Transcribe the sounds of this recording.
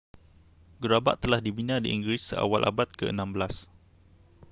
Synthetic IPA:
ɡəɾaba̰ʔt̪əlahdibinãdḭʔiŋɡɾisːəa̰walʔa̰bat̪̚kəə̰nãmbəlas

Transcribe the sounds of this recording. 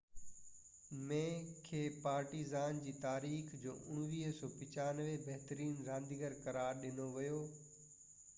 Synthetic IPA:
mẽːkʰeːpaːɾʈizaːnd͡ʑiːt̪aːɾiːxd͡ʑo̰ːʔʊɽ̃ʋiːɦsɔːpɪt͡ɕaːnəʋebɐɦt̪əɾiːnɾãːnd̪iɡəɾkɐɾaːɾɗɪnoʋɪjoː

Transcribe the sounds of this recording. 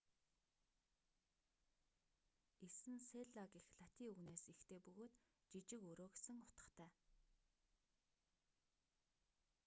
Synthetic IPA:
esɘ̆nseɮaɣixɮat̪ʰiuɣneːsixt̪ʰeːpɵɣoːt̪t͡ɕit͡ɕɪ̆kɵɾoːɡesɘ̆ŋʊ̥t̪ə̥̆χt̪ʰæː

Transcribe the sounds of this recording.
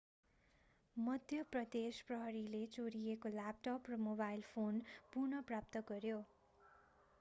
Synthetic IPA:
mʌd̪ʱjʌprʌd̪esprʌɦʌɾilet͡soɾijekolap̚ʈʌprʌmobajlpʰonpurnʌprap̚t̪ʌɡʌɾjo

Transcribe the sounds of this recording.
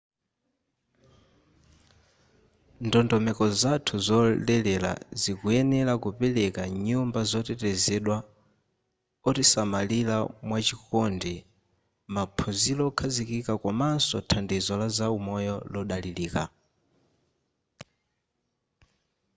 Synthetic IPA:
ndɔndɔmɛkɔzatʰuzɔlɛlɛla̰zikuɛnɛlakupɛlɛkaɲumbazɔtɛtɛzɛɗwa | ɔtisamalilamwat͡ʃikɔndi | mapʰɔzilɔkʰazikikakɔmansɔtʰandizɔlazaumɔjɔlɔɗaliliːka̰

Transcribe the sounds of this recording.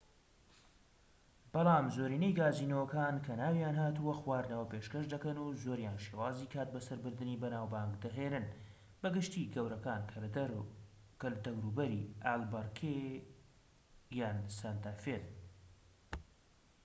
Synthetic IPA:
b̥ɑlˠɑːmzoːɾiːnejɡaːziːnɐwɐkaːnkʰɐnaːwjaːnɦaːt̪uwɐxwaːɾnɐwɐpeʃkɐʃd̪ɐkɐnuzoːɾjaːnʃewaːziːkʰaːt̪̚bɐsɐɾbɨɾd̪ɨnibɐnaːwbaŋkd̪ɐɦenɨn | bɐɡɨʃt̪iɡɐwɾɐkaːnkʰɐ | kɐld̪ɐwɾuːbɐɾiːaːlbɐɾkʰe | jaːnsɐnt̪aːfet̪

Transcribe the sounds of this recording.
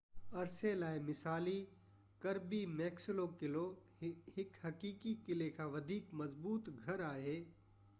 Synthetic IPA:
ɐɾselaːemɪsaːli | kɐɾbimɛːksɪlokɪlo | hɪkhɐkiːkikɪlekʰãʋɐd̪ʱiːkmɐzbuːt̪ɡʱɐɾaːɦeː

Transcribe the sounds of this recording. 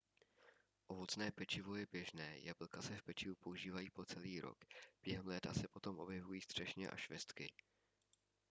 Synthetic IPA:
ʔo̞vo̞t͡snɛːpɛt͡ʃɪvo̞jɛbjɛʒnɛːjʔabl̩kasɛfpɛt͡ʃɪvupo̞uʒiːvajiːpo̞t͡sɛliːɾo̰kb̥jɛɦɛmlɛːt̪asɛpo̞t̪o̞mʔo̞bjɛvujiːst̪r̥ɛʃɲɛ̰ʔa̰ʃvɛst̪kɪ

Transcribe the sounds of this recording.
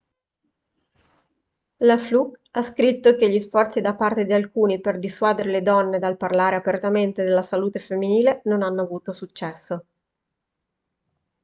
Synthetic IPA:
laflukaskɾit̪ːok̟eʎːisfɔrt̪sid̪apːart̪ed̪ialkuːniperd̪iswaːd̪eɾeled̪ɔnːed̪alparlaːɾeapert̪ament̪ed̪elːasaluːt̪efemːiniːlenonanːoavuːt̪osut͡ʃːɛsːo

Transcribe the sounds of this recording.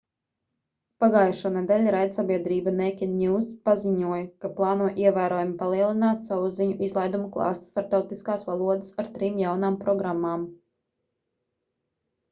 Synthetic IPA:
paɡaːjʃanɛd̪ɛlʲɾajd̪sabʲiɛd̪ɾiːbanɛkʲinnʲuːspaziɲuɔjkaplˠɑːnuɔʔiɛvæːɾɔjumpalˠiɛlˠinaːt̪sawuziɲuʔizlˠajd̪umuklˠɑ̰ːst̪u̥st̪aɾp̚t̪awt̪iskaːsʋalˠuɔd̪ɨsaɾt̪ɾiːmjawnaːmpɾɔɡɾamːaːm

